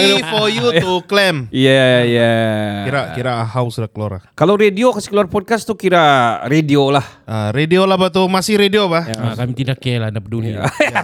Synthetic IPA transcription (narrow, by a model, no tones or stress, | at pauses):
ifojut̪uklɛmjajakiɾakiɾahaʊsdakloɾa̰kalawɾediokasi̥kəluarpɔd̚kast̪ukiɾaɾediolahəɾediolabat̪umasɪhɾediobahakamit̪idakːalanap̚dun